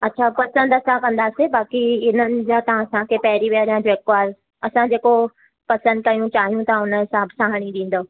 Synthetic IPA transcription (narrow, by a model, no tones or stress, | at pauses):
ɐtːɕʰaːpɐsə̃nd̪ɐsãkɐ̃nd̪aːsebaːkiɪnənɪ̆d͡ʑat̪ɐʋ̤ãsãkʰepɐɦɪɾiʋiaːɾjãd͡ʑoekʋaːɾ | ɐsãd͡ʑeːko | pɐsə̃nd̪̚kɐjũt͡ɕaːɦijũt̪ɐãʊnəɦɪsãːbɪsaːɦəɽ̃iɗĩːn̆d̪oː